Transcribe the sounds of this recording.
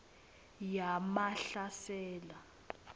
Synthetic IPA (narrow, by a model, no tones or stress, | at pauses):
jamaɬasɛːla